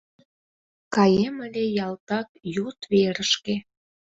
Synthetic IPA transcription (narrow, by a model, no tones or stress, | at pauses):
kɑjeməlʲejɑlt̪ɑkjut̪βeɾəʃke